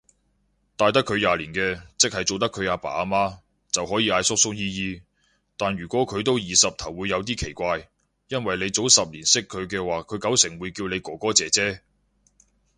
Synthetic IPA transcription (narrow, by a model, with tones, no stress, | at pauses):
t̪aː˨jt̪̬ɐ˥kʰːɵ˨˧ɥjaː˨liː˨˩nkɛː˧t͡sɪ˥k̚hɐ˨jt͡so˨wt̪ɐ˥kʰɵ˨˧ɥaː˨˧pa̰ː˨˩a˧maː˥ | t͡sɐ˨wɦɔː˨˥jiː˧ʔaː˧jsʊ˥k̚sʊ˥ŋ̚jiː˥jiː˥˧ | t̪aː˨nɥyː˨˩kʷɔː˨˥kʰɵ˨˧ɥt̪o˥wjiː˨˩sɐ˨p̚t̪ʰɐ˨˩wːuː˨˧jːɐ˨˧wt̪iː˥kʰe˨˩jkʷaː˧j | jɐ˥nwɐ˨jle˨˧jt͡so˨˥wsɐ˨p̚liː˨˩nsɪ˥kʰːɵ˨˧ɥk̬ɛː˧waː˨kʰɵ˨˧ɥkɐ˨˥wsɪ˨˩ŋwuː˨˧jkiː˧wne˨˧jkɔː˨˩kɔː˨˥t͡sɛː˨˧t͡sɛː˥